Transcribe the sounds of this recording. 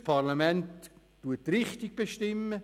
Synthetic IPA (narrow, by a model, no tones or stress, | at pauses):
pʰɑrlamɛntː | uətrɪχtɪɡ̚b̥eʃtɪmːə